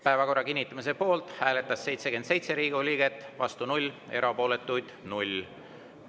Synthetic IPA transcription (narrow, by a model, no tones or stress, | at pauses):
pæevɑko̞rːɑkinʲːit̪ːˑɑmis̬e̞po̞ːlt̪hæːle̞t̪ːˑɑsːe̞jt̪seke̞nd̪se̞jt̪se̞ɾiːɡulʲiːɡe̞t̪ːˑvɑ̰st̪unulʲe̞̰ɾɑpo̞ːle̞t̪ːˑujd̪̥nulʲ